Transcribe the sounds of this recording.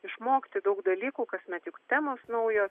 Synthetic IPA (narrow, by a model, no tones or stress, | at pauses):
ɪʃmoːkʲt̪ʲɪd̪ɐʊkd̪ɐlʲiːkuːkɐsʲmʲɛt̪jʊkt̪ʲæːmoːsnɐʊjoː